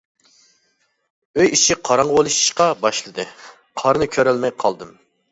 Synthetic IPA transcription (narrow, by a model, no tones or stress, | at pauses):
øjiʃiqʰɑɾɑɴʁbolˠɨʃi̥ʃqɑbɑʃlˠɨd̪ɨ | qʰɑɾɨnɨkʲʰøɾɛlmɛjqʰɑlˠd̪ɨm